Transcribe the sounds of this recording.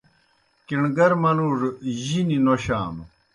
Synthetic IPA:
kiɳɡɐɾmɐnuɾʑininoɕa̰ːm

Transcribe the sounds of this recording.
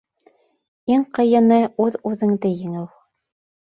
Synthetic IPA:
iŋqɤ̆jɤ̆nɤʉðʉðɘ̆ŋd̪ɘjɘ̆ŋɘw

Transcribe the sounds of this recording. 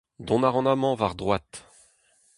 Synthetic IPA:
d̪ɔ̃naʁɑ̃namɑ̃vaʁd̪ʁwat̪

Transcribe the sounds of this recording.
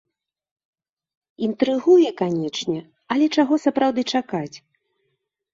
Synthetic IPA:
int̪ɾɨɣujɛkanʲɛt͡ʂnʲɛ | ɐlʲɛt͡ʂaɣɔsɐpɾawd̪ɨt͡ʂakat͡sʲ

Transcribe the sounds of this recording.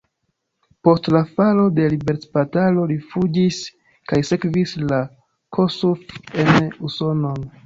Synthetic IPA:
po̞stlafalo̞de̞libe̞ɾt͡spatalo̞lifud͡ʒis | kajse̞kvisla | kʰo̞sufe̞nuso̞no̞n

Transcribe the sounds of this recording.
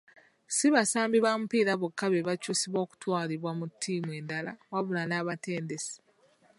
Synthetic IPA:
siβasaːmbiβaːmupiːɾaβokːaβe̞βacuːsiβo̞ːku̥twaːliβwamutʰːiːmwe̞ːndalawaβulanaːβate̞ːnde̞si̥

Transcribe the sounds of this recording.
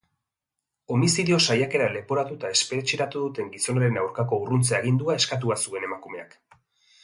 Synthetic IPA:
o̞misiðio̞sajake̞ɾale̞po̞ɾat̪ut̪ae̞spe̞ɾet͡ʃiɾat̪uðut̪e̞ŋɡiso̞naɾe̞nawɾkako̞urunt͡seaɣ̞ind̪uae̞skat̪̬uasue̞ne̞makume̞ak

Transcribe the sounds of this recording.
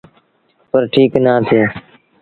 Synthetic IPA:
pəɾʈʰiːknaːt̪ʰeː

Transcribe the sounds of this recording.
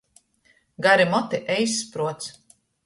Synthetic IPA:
ɡaɾimɔt̪iʔɛjsːpɾuɔt̪s

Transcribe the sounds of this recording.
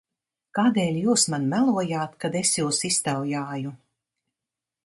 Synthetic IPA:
kaːd̪eːlʲjuːsmanmælˠuɔjaːt̪kad̪esjuːsist̪awjaːju

